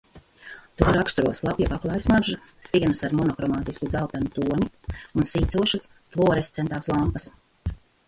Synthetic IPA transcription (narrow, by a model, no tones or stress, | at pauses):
t̪uɔɾakst̪ɾuɔslˠapjipaklˠaːjsmaɾʒa | siɛnɐsaɾmɔnɔkɾɔmaːt̪iskud̪zawt̪anut̪uɔɲiunsiːt̪suɔʃas | plˠuɔɾest̪sɛnt̪aːslˠampɐs